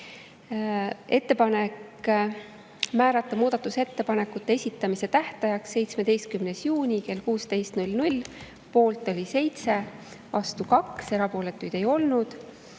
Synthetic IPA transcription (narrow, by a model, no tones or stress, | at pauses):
e̞t̪ːe̞pɑne̞k | mæːɾɑt̪ːˑɑmuːd̪̥ɑt̪ːˑuse̞t̪ːe̞pɑne̞kːˑut̪ːe̞e̞sʲit̪ːˑɑmise̞t̪æht̪ɑjɑksːe̞jt̪sme̞d̪e̞jst̪̚kymnesjuːnʲike̞lkuːst̪e̞jst̪nulnulʲ | po̞ːlt̪ːˑo̞lʲise̞jt̪se̞ | vɑst̪ukɑkse̞ɾɑpo̞ːle̞t̪ːˑujd̪̥e̞jo̞lnud̪̥